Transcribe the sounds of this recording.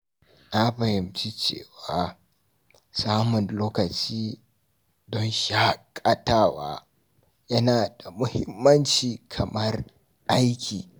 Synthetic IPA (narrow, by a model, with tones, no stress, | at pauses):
na˦ɸɐ˨hɪ˨mt͡ʃi˦t͡ʃḛː˦˨waː˦ | saː˦mʊ˨nloː˦kɐ˨t͡ʃiː˦ | dɔ˦nʃa˦kʼɐ˦taː˦wa̰ː˦ | jɐ˦naː˨da˨mʊ˦hɪ˦mːɐ˦nt͡ʃiː˨kʰɐ˨mɐ˦r | ʔa˦jkʲiː˨